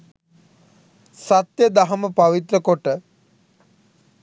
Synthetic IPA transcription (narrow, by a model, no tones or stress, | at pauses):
sat̪jəd̪aɦɐməpaʋit̪ɾəkoʈə